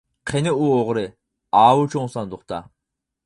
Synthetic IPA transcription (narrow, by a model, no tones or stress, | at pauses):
qʰenɪuoʁɾɪ | ɑːwut͡ʃʰoŋsɑnd̪ʊχt̪ʰɑ̰